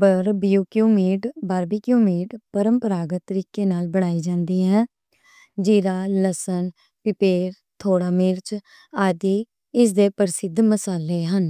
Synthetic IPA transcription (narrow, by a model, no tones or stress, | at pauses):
bəɾbɪjuːkjũːmiːʈbaːɾbiːkjũːmiːʈpəɾəmpəɾaːɡət̪ːəɾiːkeːnaːlbəɽ̃aːiːd͡ʒãːnd̪iːɦɛ̃ː | d͡ʒiːɾaːləsən | pɪpeːɾ | t̪ʰoːɽaːmɪɾt͡ʃ | aːd̪iː | ɪs̬d̪eːpəɾɪsɪd̪məsaːleːɦən